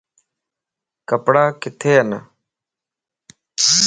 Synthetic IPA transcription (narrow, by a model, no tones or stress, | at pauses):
kəpɽaːkɪt̪ʰeːɦən